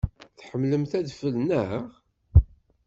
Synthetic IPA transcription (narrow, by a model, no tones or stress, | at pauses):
θħəmːləmθæðfəlnəʁ